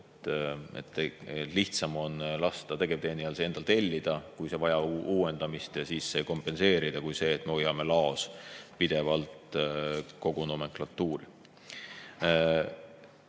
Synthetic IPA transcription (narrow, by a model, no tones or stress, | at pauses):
et̪ːḛt̪ːeliht̪sɑmo̞nlɑst̪ɑt̪e̞ɡ̥eb̚t̪eːniɑlsee̞nd̪̥ɑlt̪e̞lʲːid̪̥ɑkujse̞vɑjɑuːe̞nd̪̥ɑmist̪jɑsiːsːeejko̞mpːe̞nse̞ːɾid̪̥ɑkujse̞ːt̪ːˑme̞ojɑme̞lɑospid̪̥e̞vɑlt̪ | ko̞ɡ̥unome̞ŋklɑt̪ˑːuːɾi